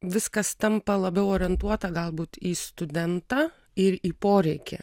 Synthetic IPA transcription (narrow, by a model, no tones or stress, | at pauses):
ʋʲɪskɐst̪ɐmpɐlˠɐbʲɛʊoːɾʲɪɛnt̪uɔt̪ɐɡɐlˠbuːt̪iːst̪ʊd̪ʲɛnt̪ɑː | ɪɾiːpoːɾʲɛɪkʲɛ̰